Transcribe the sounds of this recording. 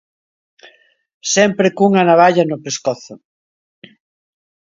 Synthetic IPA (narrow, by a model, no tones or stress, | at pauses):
sɛmpɾɪkuŋanaβaʎɐnʊpeskɔθʊ